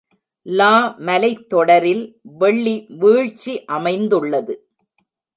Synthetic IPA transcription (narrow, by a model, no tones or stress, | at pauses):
laːmɐlɐɪt̪ːɔɽɐɾɪlʋɛɭːiʋiːɻt͡ʃːiʔɐmɐɪnd̪ɯɭːɐðɯ